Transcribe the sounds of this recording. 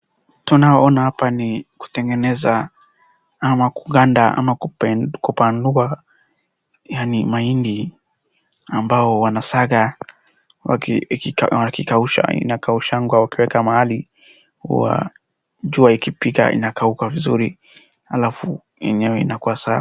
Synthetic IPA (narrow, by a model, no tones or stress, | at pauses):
tunaɔɔnahapaniku̥tɛŋɡɛnɛza | amakuɡandaʔa̰makukupandua | janimaindi | ambaɔwanasaɣa | wa | wakikauʃa̰ḭnakauʃaŋɡwawakiwɛkamahali | hṵwa̰ | ʄuaikipika̰ʔḭnakaukavizuɾi | halafu | jɛ̰ɲɛwɛḭnakuwasa